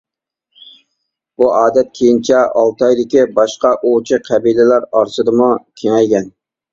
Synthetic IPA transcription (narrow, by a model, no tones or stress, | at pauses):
b̥uʔɑːd̪ɛt̪̚kʲʰejint͡ʃʰɛʔɑlˠt̪ɑjd̪ɪkʲibɑʃqɑʔot͡ʃʰɪqʰæbilɪlæɾɑɾsɨd̪ɨmukʲʰeŋɛjɡʲɛn